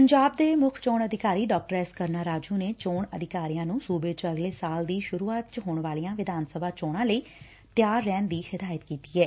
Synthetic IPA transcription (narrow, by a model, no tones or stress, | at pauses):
pəɲd͡ʒaːbd̪eːmʊkʰt͡ʃoːɳəd̪ʱɪkaːɾiːɖɔːk̚ʈəɾɛːskəɾnaːɾaːd͡ʒũːneːt͡ʃoːɳəd̪ʱɪkaːɾijãːnũːsuːbeːt͡ʃəɡleːsaːld̪iːʃʊɾuːaːt̪t͡ʃɦoːɳʋaːlijãːʋɪd̪ʱaːnsəbʱaːt͡ʃoːɽãːləiː | t̪ɪjaːɾːɛːnd̪iːhɪd̪aːjət̪kiːt̪iːɦɛː